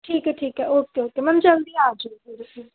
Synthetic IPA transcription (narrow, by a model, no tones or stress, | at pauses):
ʈʰiːkɦɛʈʰiːkɦɛʔoːkeoːkemɐmd͡ʒɐld̪iaːd͡ʒukuɾi